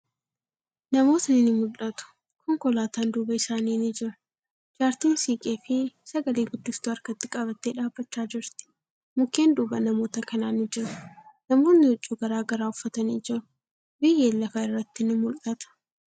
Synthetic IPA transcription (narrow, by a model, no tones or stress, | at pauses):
nɐmo̞ːt̪nɪnɪmʊlɐt̪ʊ̥ | kʰɔŋkɔlaːt̪aːnd̪uːbɐɪsaːniːnɪd͡ʒɪɾɐ̥ | d͡ʒaːɾt̪iːnsiːkʼeːfɪsɐɡɐleːɡʊd̪ːɪst̪uɐɾkɐt̪ːɪkʼɐβɐt̪ːeːᶑaːbːɐt͡ʃːaːd͡ʒɪɾt̪ɪ̥ | mʊkːeːnd̪uːbɐnɐmo̞ːt̪ɐkɐnaːnɪd͡ʒɪɾɐnɐmo̞ːnːɪʊt͡ʃʼːuːɡɐɾaːɡɐɾaːʊfːɐt̪ɐniːd͡ʒɪɾʊ̥ | bɪjːeːlːɐfɐɪrːɐt̪ːɪnɪmʊlɐt̪ɐ̥